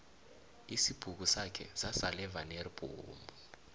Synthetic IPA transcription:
isib̥ʱuk̬usakʰɛ̰zasalɛvanerib̥ʱṵːmbu

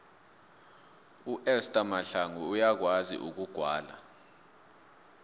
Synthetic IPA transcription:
uʔɛstʼamaɬaŋuːjak̬wazḭʔuk̬uɡ̥ʱwaːla̰

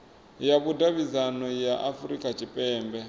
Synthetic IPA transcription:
jakudaβid͡zanɔjaʔafuɾikʼat͡ʃipʼɛːmbɛ

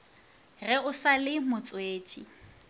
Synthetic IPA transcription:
rɛʊsalɪmʊt͡sʼweːt͡ʃʼḭ

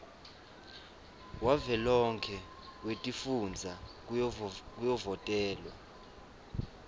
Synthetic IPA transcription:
wavɛlɔŋkʰɛ | wetʼifund͡zʱa | k̬ujɔvɔtʼɛːlwa̰

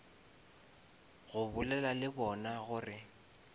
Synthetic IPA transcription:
ɣʊbʊlɛlalɪbɔnaɣʊrɪ

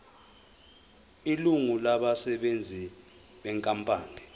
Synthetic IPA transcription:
iluŋulaɓasɛɓend͡zʱi | ɓɛŋkʼampʼaːni

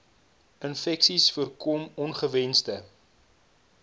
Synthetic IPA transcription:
ənfɛksisfuərkɔmɔnχəvɛnstə

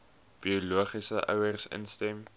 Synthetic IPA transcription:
b̥iuluəχisəʔœ̰wərsə̰nstɛm

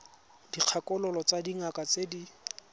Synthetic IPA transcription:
d̥iq͡χʰakʼɔlɔlɔt͡sadiŋakʼat͡sedi

